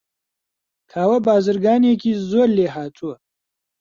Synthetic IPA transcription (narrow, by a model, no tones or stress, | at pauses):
kʰaːwɐbaːzəɾɡaːneːkʰizoːɾleːɦaːt͡sʰuɐ